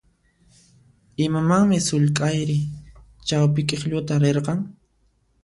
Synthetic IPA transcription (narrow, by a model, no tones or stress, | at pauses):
ɪmamaŋmɪsʊʎkʼajɾɪ | t͡ʃawpɪkʼɪχʎʊt̪aɾeɾqɑŋ